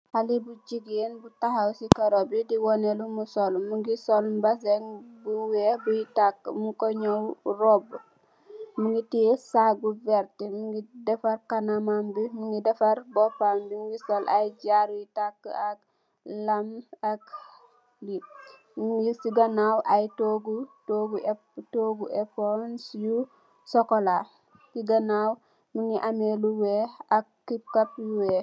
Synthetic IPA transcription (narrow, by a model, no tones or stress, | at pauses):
halibud͡ʒiɡenbutahawsikɐɾɔbidiwɔnelumusɔlmuŋɡisɔlbasɛŋbuwebujitakːə̰mukɔɲɔwrɔb | muŋɡitisaɡuvɛɾtimuŋɡidɛfɐɾkanamambimuŋɡidɛfɐɾbɔpambimuŋɡisolʔajd͡ʒaɾjitakːə̰ak̚ | lamak | li | mŋisiɡanawʔajtoɡutoɡu | toɡuʔeponsiju | sɔkola | kiɡanaw | muŋiʔameluweakː | ikapjuwe